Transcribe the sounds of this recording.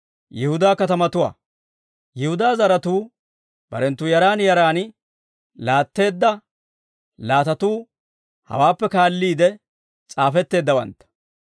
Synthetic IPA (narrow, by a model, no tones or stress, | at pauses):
jɪhʊd̪aːkɐt̪ɐmɐt̪ʊwa̰ː | jɪhʊd̪aːzɐɾɐt̪uː | b̥ɐ̰ɾɛnt̪ːuːjɐɾaːnjɐɾaːn | laːt̪ːe̞ːd̪ːɐ | laːt̪ɐt̪uː | hɐ̰waːpːɛkaːlːiːd̪ɛ | t͡sʼaːfɛt̪ːe̞ːd̪ːɐwɐ̰nt̪ːɐ̥